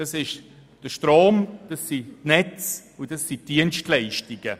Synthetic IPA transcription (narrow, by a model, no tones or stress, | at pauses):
d̥ɑsɪʃ | d̥əʃtɾoːmd̥ɑsːitnɛt͡s | ʊdɑsːitd̥iənʃtlɛɪʃtiɡ̥ə